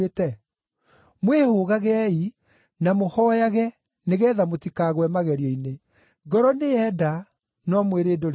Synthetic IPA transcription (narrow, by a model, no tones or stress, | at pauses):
etɛ | mwehoɣaɣɛɛi | namohɔːjaɣɛ | neɣɛːðamotikaːɣwɛmaɣɛɾiɔine | ɡɔɾɔneɛda | nɔmweɾeːdoɾ